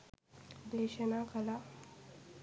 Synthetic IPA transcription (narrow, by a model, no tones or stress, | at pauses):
d̪eɕənakʰəla